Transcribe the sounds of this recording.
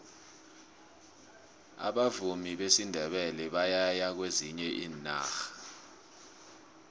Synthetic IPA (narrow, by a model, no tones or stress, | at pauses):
a̰ɓavumiɓesindʱɛɓɛlɛɓajajak̬weziɲɛʔiːna̰ːxḁ